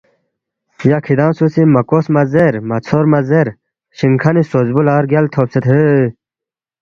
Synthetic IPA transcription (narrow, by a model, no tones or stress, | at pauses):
jakʰid̪ãːmsusimɐkoːsmɐzeɾmɐt͡sʰoɾmɐzeɾ | ɕiŋkʰanisozbulaːɾɡjɐlt̪ʰoːpset̪ʰə